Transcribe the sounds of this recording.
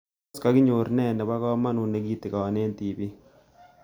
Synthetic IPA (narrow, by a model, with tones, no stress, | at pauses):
ska˦ɡɪ˦ɲo˨ɾnɛ˦˨nɛ˨ba˦kɔ˦ma˦nʊ˨ne˨˦ɡi˦t̪i˨ka˨ɔ˨ne˦nt̪i˨bi˦